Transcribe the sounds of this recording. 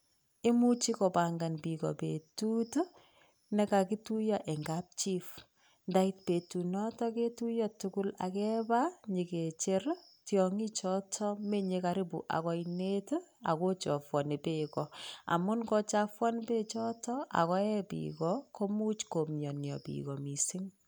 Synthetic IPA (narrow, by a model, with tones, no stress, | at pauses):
e˦mu˦t͡ʃi˦kɔ˨pa˨ŋɡa˨npi˨kɔ̰˨pḛ˨tu˦t | nɛ˦ka˨ki˦tu˦jɔ˨ʔe˨ŋɡap̚t͡ʃi˦f | nda˦i˦t̚pe˨tu˨nɔ˦tɔ˦ke˦tu˦jɔ˨tukʊ˦la̰˨kɛ˦ba˦ɲi˨ke˨t͡ʃe˦r | tjɔŋi˦t͡ʃɔ˦tʰɔ˦me˦ɲe˦ka˨ɾi˦bṵ˨ʔa̰˨kɔ˦ine˦ta̰˨ko˦t͡ʃɔ˨fwɔ˨ne˨pekɔ˨a̰˨mʊ˦nkɔ˦t͡ʃa˦fwɔ˦npe˦t͡ʃɔ˦tɔʔa̰˨kɔ˦jɛ˦pḭːkɔko˦mu˦t͡ʃko˨mɲɔ˨njɔ̰˨pḭːkɔ˨mi˨si˦ŋ